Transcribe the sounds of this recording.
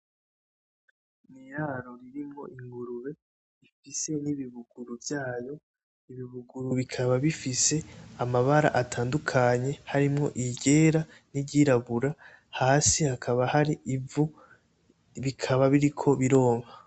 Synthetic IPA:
nijaːɾoɾiɾimŋo̞̰ʔiŋɡuɾuɾe̞ | ifise̞niβiβuɡ̥uɾuvjaːjo̞ | iβiβuɡuɾuβikʰaβaβifise̞amaβaɾa̰ʔatʰaːndukʰaɲe̞haɾimŋo̞̰ʔiɟe̞ːɾa | niɟiɾaβuɾa | haːsihakʰaβahaɾiʔivu | βikʰaβaβiɾikʰo̞βiɾo̞ːŋa

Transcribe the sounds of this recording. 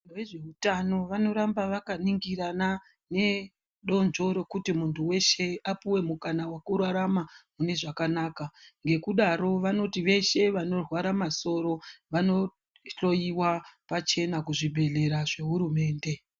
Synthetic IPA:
nweʐe̞utano̞ʋano̞ɾambaʋakaniŋɡiɾana | ne̞ | ɗo̞nd͡ʒo̞ɾo̞kutimuntʰuwe̞ʃe̞apuwe̞mukanawakurwaɾamamune̞ʐakanaːkaŋɡe̞kuɗaɾo̞ʋano̞tiʋe̞ʃe̞ʋano̞rwaɾamaso̞ɾo̞ʋano̞ | ɬo̞jiwapat͡ʃe̞nakuʐibʱe̞ɮe̞ɾaʐe̞ɦuɾume̞ːnde̞

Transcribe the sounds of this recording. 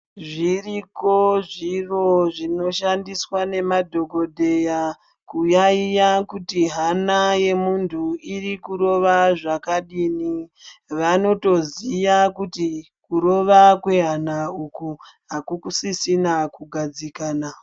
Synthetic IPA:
ʐiriko̞ʐiro̞ʐino̞ʃandiswane̞madʱo̞ɡʱo̞dʱe̞ja | kujaijakutiɦanaje̞muntʰuiɾikuɾo̞ʋaʐakaɗiniʋano̞to̞zijakuti | kuɾo̞ʋakwe̞ɦanauku | ɦakukusisinakuɡʱad͡zikaːna

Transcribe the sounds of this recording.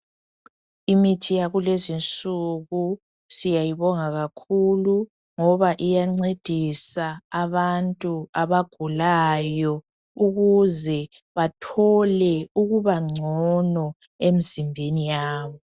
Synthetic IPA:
imitʰijaɣulezint͡sʼuɣu | sijajiβɔŋaɣakʰulu | ŋɔβaʔijaŋ͡ǀed̥ʱisaːβantʼuaβaɡ̥ʱulajɔ | uɣuzɛ | βatʰɔlɛuɣuβaŋ͡ǀʱɔnɔ | emizimbʱenijaːβɔ

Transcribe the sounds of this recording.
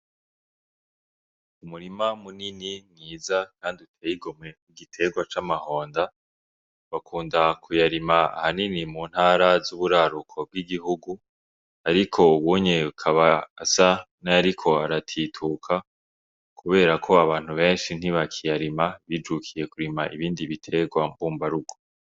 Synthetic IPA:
umuɾimamunininiːzakaːndiutʰejiɡomŋe̞miɡitʰe̞ɡwat͡ʃamaho̞ːnda | βakʰuːndakʰujaɾimaa̰haninimuːn̥haːɾazuβuɾaɾukʰo̞b̚ɡiɡiɦuɡu | aɾikʰo̞uβuɲeukʰaβaːsa | naaɾikʰo̞aɾatʰiːtʰukʰa | kʰuβe̞ːɾakʰo̞aβaːn̥huβe̞ːnʃin̥iβakʰijaɾimaβid͡ʒukʰije̞kuɾimaʔiβiːndiβitʰe̞ɡwambuːmbaɾuɡo

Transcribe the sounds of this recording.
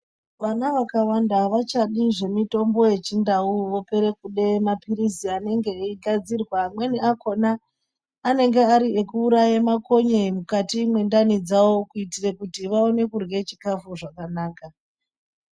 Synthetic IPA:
ʋanaʋakawandaʋat͡ʃaɗiʐe̞mito̞mbo̞je̞t͡ʃindauʋo̞pe̞ɾe̞kuɗe̞mapiɾisiane̞ŋɡe̞iɡʱad͡zirwamwe̞niako̞naː | ne̞ŋɡe̞aɾiekuːɾajemako̞ɲemukatimwe̞ndanid͡zawo̞kuitirekutiʋao̞ne̞kurɡe̞t͡ʃi̥kafuʐakanaːka

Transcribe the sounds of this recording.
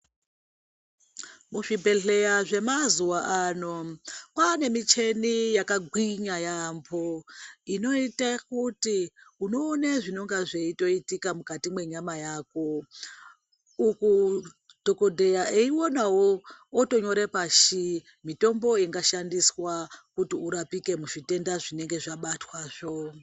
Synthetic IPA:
muʐibʱe̞ɮe̞jaʐe̞mazuwaʔano̞kane̞mit͡ʃe̞nijakaɡʱwiɲajamboino̞itakutiuno̞ːneʐino̞ŋɡaʐeito̞itikamukatimwe̞ɲamajaːko̞ | uku | d̥ʱo̞ko̞dʱe̞jaʔeiwonawoːto̞ɲo̞ɾepaʃi | mito̞mbo̞iŋɡaʃandiswakutiuɾapike̞muʃite̞ndaʐine̞ŋɡe̞ʐaɓatwaːʐ̥o

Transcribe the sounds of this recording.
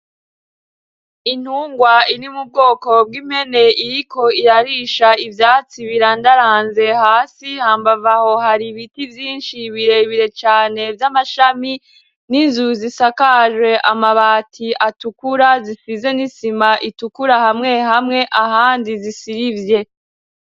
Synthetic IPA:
in̥huːŋɡwainimub̚ɡo̞ːko̞b̚ɡiːm̥he̞ne̞iɾiko̞iɾaɾiʃaivjaːt͡siβiɾandaɾaːnze̞haːsihaːmbavaho̞haɾiβitivjiːnʃiβiɾe̞βiɾe̞t͡ʃaːne̞vjamaʃami | ninzuzisakaʒwe̞ʔamaβaːtʰiʔatukuɾazisize̞nisimaʔitukuɾahamŋe̞hamŋe̞ʔahaːndizisiɾivje̞

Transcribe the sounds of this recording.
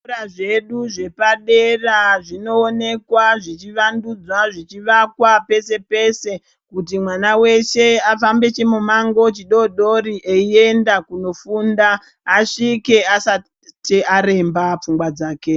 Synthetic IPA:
ɾaʐe̞ɗuʐe̞paɗe̞raʐino̞ːne̞kwaʐit͡ʃiʋandud͡zwaʐit͡ʃiʋakwape̞se̞pe̞se̞ | kut̬imwanawe̞ʃe̞afambe̞t͡ʃemumaŋɡo̞t͡ʃiɗo̞ɗo̞ɾiʔeie̞ndakuno̞fuːndaː | ʂike̞asa | teaɾe̞mbap͡fuŋɡwad͡zaːke

